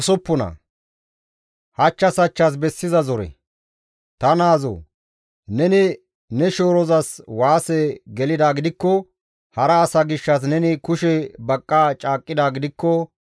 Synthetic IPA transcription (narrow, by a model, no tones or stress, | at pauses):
sɔpːɔnɐ̰ | hɐt͡ʃːɐsɐt͡ʃːɐs̬bɛsːɪzɐzɔɾɛ̰ | t̪ɐnaːzɔ̰ː | nɛnɪ | nɛʃoːɾɔzɐswaːsɛɡɛlɪd̪aːɡɪd̪ɪkːɔ | hɐɾɐːsɐɡɪʃːɐs̬nɛnɪkʊʃɛbɐkʼːaːt͡ʃʼaːkʼːɪd̪aːɡɪd̪ɪkːɔ